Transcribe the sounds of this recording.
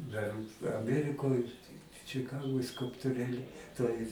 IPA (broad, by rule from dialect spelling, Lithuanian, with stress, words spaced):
dɐr ɐˈmʲiɛrʲɪkoːj t͡ʃʲɪˈkɑːɡoːj skʊlˠptʊˈrʲeːlʲɪ toːj